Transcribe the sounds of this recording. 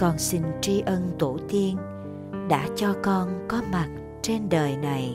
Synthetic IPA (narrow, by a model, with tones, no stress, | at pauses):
kɔ˨˩nsi˧ŋ̟t͡ɕi˧ʔə˧nt̪u˧˩t̪i˧ən | ɗa̰ː˧˥t͡ɕɔ˧kɔ˧nkɔ˨˦ma˨˩t̚ | t͡ɕe˧nɗəː˨˩jna˨˩j